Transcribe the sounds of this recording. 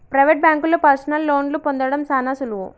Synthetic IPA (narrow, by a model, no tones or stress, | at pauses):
pɾɐjʋeʈ̚bjaːŋkulopɐɾsɐnɐlːoːnlupond̪ɐɽɐmsaːnaːsulu